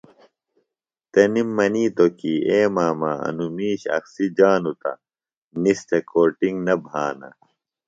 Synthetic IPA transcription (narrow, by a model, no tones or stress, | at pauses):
t̪ɐnimːɐniːt̪okieːmaːmaɐ̰numiːɕɐ̰ksid͡ʑaːnut̪ɐ̰ | nist̪ekoːʈiŋɡnɐbʱaːnɐ̰